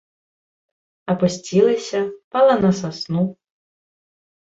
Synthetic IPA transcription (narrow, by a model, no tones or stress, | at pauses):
ɐpusʲt͡sʲilˠɨsʲɐpalˠɐnɐsasnu